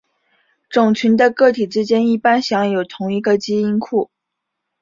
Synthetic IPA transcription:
ʈ͡ʂʊ˨˩ŋt͡ɕʰy˧˥nd̪ə˧kɤ˥˩t̪ʰi˨˩ʈ͡ʂɻ̩˥t͡ɕjɛ˥ni˥˩pa˥nɕjɑ˧˥ŋjo˨˩ʊt̪ʰʊ˧˥ŋi˧˥ɡə˧t͡ɕi˥i˥nkʰu˥˩

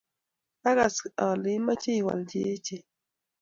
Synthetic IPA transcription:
a˦ɣɡa˨sa˨lɪ˨˦ma˦t͡ʃe˦˨wa̰˨ld͡ʒe˨˦e˦t͡ʃe˨

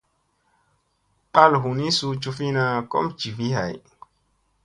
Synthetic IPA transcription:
k͡pa˦lɦu˨nĩ˦su˧t͡ʃu˧fi˦na˧kɔ̰˦md͡ʒi˨vi˦ha˨j

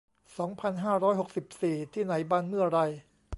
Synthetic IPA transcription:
sɔː˩˦ŋpʰa˧nɦaː˥˩ɾɔː˦˥jɦo˨˩k̚si˨˩p̚siː˨˩t̪ʰiː˥˩na˩˦jbaː˧nmɯ˥˩ɐɾa˧j

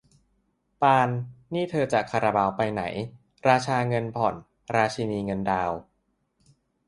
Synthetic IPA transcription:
paː˧nːiː˥˩t̪ʰɤː˧t͡ɕa˨˩kʰa˧ɾa˧baː˧wpa˧jna̰˩˦j | ɾaː˧t͡ɕʰaː˧ŋɤ˧npʰɔ˨˩n | ɾaː˧t͡ɕʰi˧niː˧ŋɤ˧ndaː˧w

